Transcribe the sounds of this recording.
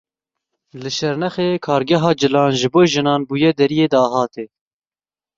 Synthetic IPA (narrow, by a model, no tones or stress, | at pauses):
lɨʃɛɾnɛxeːkʰɑːɾɡɛɦɑːd͡ʒɨlɑːnʒɨboːʒɨnɑːnbuːjɛd̪ɛɾijeːd̪ɑːɦɑːt̪eː